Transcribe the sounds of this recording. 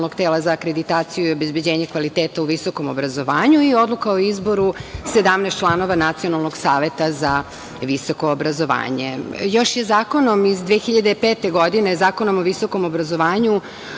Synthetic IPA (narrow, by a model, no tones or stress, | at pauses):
lnoɡt̪eːlazaːkɾe̞d̪it̪aːt̪sijuiobe̞zbed͡ʑeːɲe̞kʋalit̪eːt̪auʋiso̞ko̞mo̞bɾazo̞ʋaːɲuio̞d̪lˠukaoizbo̞ɾuse̞d̪amnest̪t͡ʃlˠano̞ʋanat̪sio̞nalˠnoɡsaːʋe̞t̪aza | ʋiso̞ko̞ːbɾazo̞ʋa̰ːɲḛjo̞ʃjezaːko̞no̞mizd̪ʋexiʎad̪eipeːt̪eɡo̞d̪inezaːko̞no̞moʋiso̞ko̞mo̞bɾazo̞ʋaːɲu